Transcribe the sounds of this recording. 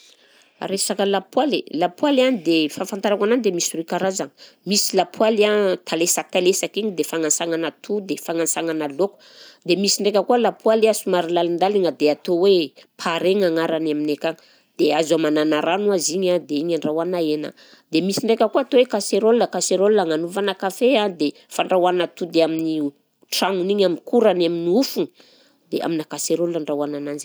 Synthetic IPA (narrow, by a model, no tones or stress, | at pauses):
ɾesakəlapwalelapwalanid̪efafant̪aɾakananid̪emisirikaɾazaŋmisilapʰwalat̪ʰalesat̪alesakiɲid̪efaŋansaŋanat̪ʰud̪efaŋansaŋanaloku̥ | d̪emisiɳɖ͡ʐekʲəkualapwalasumaɾilalind̪aliŋəd̪eat̪owepʰaɾeŋaŋaɾanaminekaŋ | d̪̥eazamananaɾanuaziɲad̪eiɲaɳɖ͡ʐawanaena̰ | d̪emisiɳɖ͡ʐekʲəkuat̪owekaseɾolunəkaseɾoluaŋanuvanakafeãd̪e | faɳɖ͡ʐawanat̪ud̪eamini | ʈ͡ʂaŋuniɲaminkuɾanaminiufuni | d̪ea̰minakaseɾoluaɳɖ͡ʐawananand͡ʒi